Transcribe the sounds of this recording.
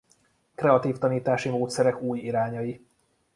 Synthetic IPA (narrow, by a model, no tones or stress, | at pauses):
kɾɛɒt̪iːft̪ɒniːt̪aːʃimoːt̪sɛɾɛkuːjiɾaːɲɒji